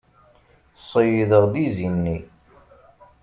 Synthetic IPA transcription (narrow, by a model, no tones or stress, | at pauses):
sˤːəjiðəʁðizinːi